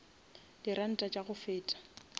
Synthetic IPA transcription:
d̥irʔan̩tʼat͡ʃʼaɣʊfɪːtʼḁ

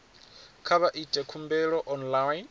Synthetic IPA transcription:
kʰaβaʔitʼɛkʰumbɛɺɔʔɔnlan

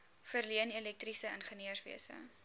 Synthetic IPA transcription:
fərliənilɛk̚trisəənχəniərsvḭəsə̰

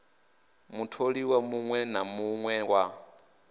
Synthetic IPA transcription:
mutʰoɺiwamuŋwɛnamuŋwɛwa

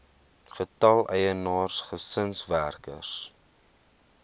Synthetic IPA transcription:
χətɐlˠɛjənɑːrsχəsənsværkə̰rs

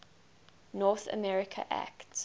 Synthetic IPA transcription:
nɔːˑθə̰mɛɹɪkʰə̰ʔæ̰kt

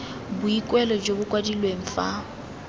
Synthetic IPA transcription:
bʊikʼwɛlɔd͡ʒobʊkʼwadilweŋ̩fa

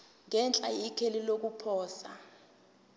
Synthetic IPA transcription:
ŋɛnt͡ɬʼajikʰelilok̬upʰɔːsa

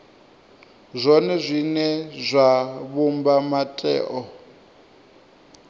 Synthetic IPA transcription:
zʷɔnɛzʷinɛzʷaβumbamatʼɛ̰ːʔɔ

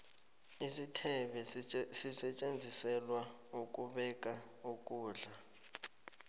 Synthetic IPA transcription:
isitʰɛɓɛsisɛt͡ʃʼend͡zʱisɛlwa | uk̬ʼuɓɛk̬ʼa | ukʼuːɮa

